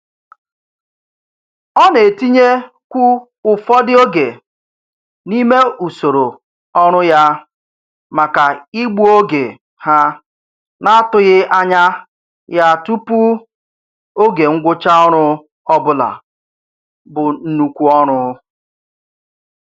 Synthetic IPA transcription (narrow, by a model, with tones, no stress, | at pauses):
ɔ˦ne˨ti˦ɲe˦ | kʷu˦ | ʊ˨fɔ˦dɪ˦o˦ɡe˨ | ni˦me˦u˨so˨ɾo˨ | ɔ˦ɾ̃ʊ˦ja˦ | ma˨ka˨i˦ɡ͡bu˦o˦ɡe˨ | ha˦ | na˦a˦tʊ˦ɣɪ˦ʔa˦ɲa˦ | ja˦˨tu˦pu˦ | o˦ɡe˨ŋ̩˦ɡʷʊ˦t͡ʃa˦ɔ˦ɾ̃ʊ˦ | ɔ˦bʊ˦la̰˨ | bʊ˨n̩˦nu˨kʷu˦ɔ˦ɾ̃ʊ˦